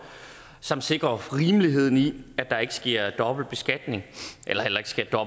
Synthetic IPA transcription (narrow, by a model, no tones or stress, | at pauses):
sɒ̽mse̝ɡ̥ʁɐʁiːməliɦe̝ð̞̰ˠn̩iæd̥ɑ̈e̝ɡ̥əsɡ̥e̝ɐ̰d̥ɒ̽b̥l̩d̥̚b̥e̝sɡ̥æd̥ne̝ŋʔelɐhel̰ɐe̝ɡ̥sɡ̥e̝ɐ̰d̥ɒ̽b